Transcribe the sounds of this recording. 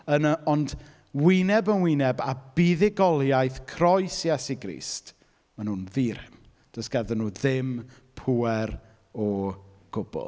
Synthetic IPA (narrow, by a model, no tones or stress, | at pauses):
ənəɔnd | wɪnɛbənwɪnɛbabiðɪɡɔlˠjajθkʰrɔjsjɛsiɡɾḭːst | manhunðiːɾɪ̰m | d̥əsɡ̥ɛðənuːðɪm | pʰuɛɾ | ɔɡ̥ʊbʊ̰lˠ